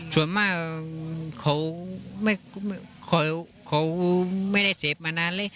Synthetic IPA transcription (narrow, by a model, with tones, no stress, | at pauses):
su˨˩˦ənmaː˥˩ | kʰa˨˦wma˥˩jm˧˩kʰɔ˨˦j | kʰa˨˦wma˥˩jda˥˩jse˦p̚maː˧naː˧˥nleː˧˥˩j